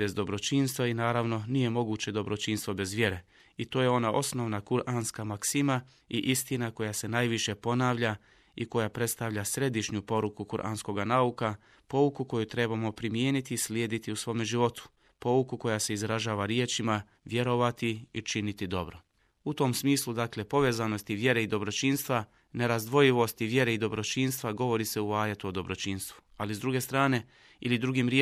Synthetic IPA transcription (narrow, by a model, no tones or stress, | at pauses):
be̞zd̪o̞bɾo̞t͡ʃinst̪ʋainaːɾaʋno̞nije̞mo̞ɡuːt͡ɕe̞d̪o̞bɾo̞t͡ʃiːnst̪ʋo̞be̞zʋje̞ɾe̞ | it̪o̞ːje̞o̞naʔo̞sno̞ʋnakuɾʔanskamaksima | iʔist̪inako̞jase̞najʋiʃe̞po̞naːʋʎa | iko̞japɾe̞t̪st̪aʋʎasɾe̞d̪iʃɲupo̞ɾukukuɾʔa̰nsko̞ɡanauka | po̞ukuko̞jut̪ɾe̞bamo̞pɾimjeːnit̪iːslʲjeːd̪it̪iusʋo̞ːmeʒiʋo̞t̪u̥ | po̞ukuko̞jase̞izɾaʒaːʋaɾje̞t͡ʃima | ʋje̞ɾo̞ʋat̪iit͡ʃinit̪id̪o̞̰bɾo̞ | ut̪o̞msmiːslud̪akle̞po̞ʋe̞ːzano̞st̪iʋje̞ɾe̞id̪o̞bɾo̞t͡ʃiːnst̪ʋa | ne̞ɾazd̪ʋo̞jiʋo̞st̪iʋje̞ɾeid̪o̞bɾo̞t͡ʃinst̪ʋaɡo̞ʋo̞ɾise̞uaːjet̪uo̞d̪o̞bɾo̞t͡ʃiːnst̪ʋu̥ | alizd̪ɾuɡe̞st̪ɾaːne̞ | ilid̪ɾuɡimɾje